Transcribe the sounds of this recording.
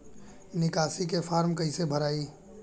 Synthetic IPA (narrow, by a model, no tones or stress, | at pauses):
nɪkaːsikefʰaːɾmkɐɪ̃sebʱəɾaːiː